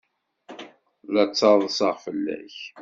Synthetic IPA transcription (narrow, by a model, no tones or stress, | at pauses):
læt͡sːɑðˤsɑʁfəlːæ̰ç